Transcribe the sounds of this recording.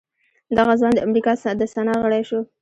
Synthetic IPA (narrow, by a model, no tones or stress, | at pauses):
d̪aɣazwɑnd̪əamɾikɑd̪əsanɑɣəɽajʃo